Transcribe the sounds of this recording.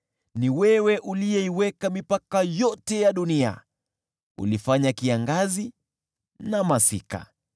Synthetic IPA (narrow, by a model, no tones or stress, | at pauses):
niwɛwɛʔulijɛiwɛkamipakajɔtɛjaɗunia̰ | ṵlifaɲakiaŋɡazi | namasika̰